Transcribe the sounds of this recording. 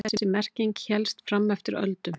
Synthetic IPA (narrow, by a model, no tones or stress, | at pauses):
ɛsːɪsɪmɛr̥ciŋcçɛlst̪fɾamːɛft̪ɪɾœ̰lt̪ʏm